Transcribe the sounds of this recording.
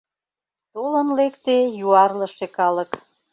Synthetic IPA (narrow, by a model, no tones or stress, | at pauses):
t̪olənlekt̪ejuɑrləʃekɑlə̆k